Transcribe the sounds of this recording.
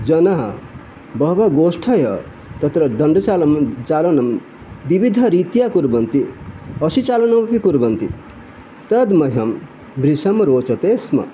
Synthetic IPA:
d͡ʒɐnaɦɐ̰ | bʌɦbaɡoːsʈʰɐjɐ̰ | t̪ɐt̪ɾɐd̪ɐɳɖt͡ʃalmt͡ʃalɐnɐm | bibid̪ʱəɾit̪jakuɾbɐnt̪iʌsit͡ʃalɐnɐmpikuɾbɐnt̪i | t̪ɐd̪mɐɦɐm | bɾisɐmɾoːt͡ʃɐt̪eːsmɐ̰

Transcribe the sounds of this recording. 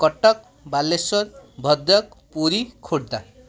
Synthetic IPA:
kʌʈːʌk̚ | balːesʌrbʱʌd̪ʌk̚ | puɾikʰoɽ̚d̪a

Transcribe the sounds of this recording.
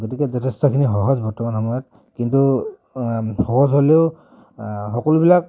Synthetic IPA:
ɡotikɛzɔtʰɛstɔkʰinixɔɦɔzbɔɹtɔmanxɔmɔjɔt̚ | kintu | xɔɦɔzɦoleʊ | xɔkɔlubilak̚

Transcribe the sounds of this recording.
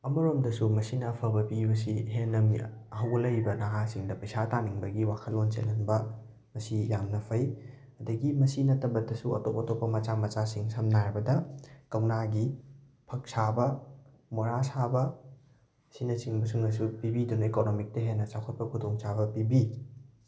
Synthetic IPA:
ɐmɐɾomdɐsumɐsinɐːpʰɐbɐpibɐsiɦenːɐmiɦɐwɐlɐjbɐnaɦasiŋdɐpɐjsataniŋbɐɡiwakʰɐlːont͡ʃḛlɐnbɐ | mɐsijamnɐpʰɐj | ɐdɐɡimɐsinɐtːɐbɐdɐsuɐ̰topːɐtopːɐmɐt͡ʃamɐt͡ʃasiŋsɐmnaɾbɐdɐkɐwnaɡi | pʰɐk̚sabɐ | moɾasabɐ | sinɐsiŋbɐs̬uŋnɐs̬upibidunɐikonomik̚tɐɦenːɐt͡ʃawkʰɐt̚pɐkʰudoŋsabɐpibi

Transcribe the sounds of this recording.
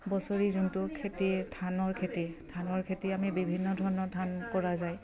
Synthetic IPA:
bɔsoɹizuntʊkʰetitʰanɔɹkʰetitʰanɔɹkʰetiamibibʱinːɔdʱɔɹɔnɔtʰankɔɹazaj

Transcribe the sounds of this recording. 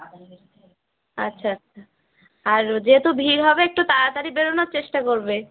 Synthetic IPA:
a̰tːɕʰaatːʃʰa | aɾd͡ʑeɦet̪ubʱiɾɦɔbeek̚ʈut̪at̪aɾibeɾonaɾt͡ɕeʃʈakoɾbe

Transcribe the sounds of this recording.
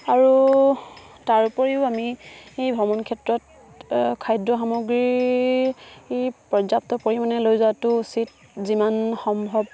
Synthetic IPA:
aɹu | taɹupɔɹiʊamiejbʱɔmɔnkʰɛtɹɔt̚ | kʰajdɹɔxamoɡɹi | epɹɔzap̚tɔkoɹimanɛlojzaatʊusit | zimanxɔmbʱɔb̚

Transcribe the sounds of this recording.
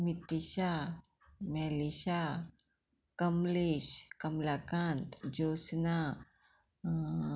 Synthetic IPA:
mit̪iʃa | mɛːliʃa | kɐmliʃkɐmlaːkaːnt̪d͡ʒoːsna

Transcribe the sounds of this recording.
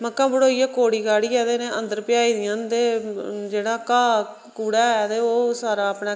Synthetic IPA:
məkːãːbəɽoːiːɛːkoːɽiːkaːɽiːɛːt̪eːnẽːʔənd̪əɾpɪjaːiːd̪ɪjãːnt̪eːd͡ʒeːɽaːkaː | kuːɽɛːɛːt̪eːoːsaːɾaːəpnɛː

